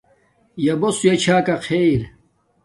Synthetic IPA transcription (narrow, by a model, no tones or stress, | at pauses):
jɐbosujet͡ɕʰaːkɐqʰeɾ